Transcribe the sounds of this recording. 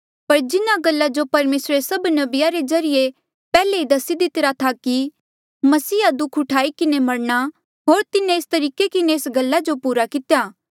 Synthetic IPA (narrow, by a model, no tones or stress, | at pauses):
pɐɾd͡ʒɪnaɡɐlːad͡ʒopɐɾmeːsɾesɐbnɐbɪjaɾezɐɾɪje | pɛːleid̪ɐsid̪ɪt̪ɪɾat̪ʰaki | mɐsiːad̪ʊkʰʊʈʰaːikɪnemɐɽɽ̃a | ɦoːɾt̪ɪnẽeːst̪ɐɾiːkekɪneːsɡɐlːad͡ʒopuːɾakɪt̪ejaː